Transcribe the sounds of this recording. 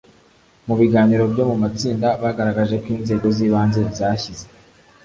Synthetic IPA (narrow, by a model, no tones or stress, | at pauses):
muβiɡaːniɾo̞bjo̞mumat͡siːndaβaɡaɾaɡaʒe̞kwiːnze̞ːɡo̞ziːβaːnze̞bzaːçize